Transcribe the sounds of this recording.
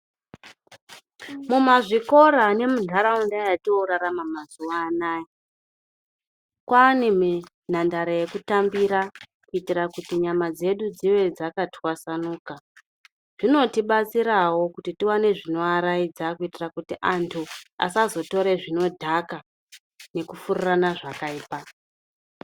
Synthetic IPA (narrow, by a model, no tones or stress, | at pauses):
mumaʐiko̞ɾane̞mudʱaɾaundajatioɾaɾamamazuwaːnaːji | kwaːnime | n̤andaɾaje̞kutambiɾa | kuitirakutiɲamad͡ze̞ɗud͡ziʋe̞d͡zakatʰwasanuːka | ʐ̥ino̞tiɓat͡siɾawo̞kutitiwane̞ʐino̞aɾaid͡zakuitirakutiʔantʰua̰sazo̞to̞ɾeʐino̞dʱaka | ne̞kufururanaʐakaiːpa